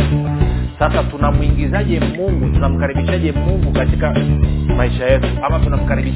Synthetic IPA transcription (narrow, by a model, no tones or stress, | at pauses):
sasatunamwiŋɡizaʄɛmuŋɡutunam̩kaɾiɓiʃaʄɛmuŋɡukatikamaiʃajɛtuamatunam̩kaɾiɓi